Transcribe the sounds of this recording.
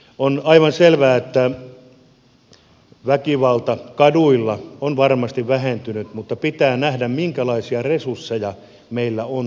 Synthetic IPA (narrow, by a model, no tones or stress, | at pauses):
onɑiʋɑnselʋæːet̪ːæ | ʋækiʋɑlt̪ɑkɑduilːɑonʋɑrmɑst̪iʋʋæhent̪ynyt̪mut̪ːɑpit̪æːnæhdæmmiŋkælɑisiɑresursːejɑ | meilːæon